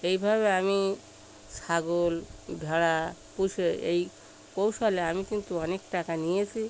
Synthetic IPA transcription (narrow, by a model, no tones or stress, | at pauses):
ejbʱabeami | saɡolbʱeɭapusʰeej | kowsaleamikint̪uɔnekʈakanijet͡ʃʰi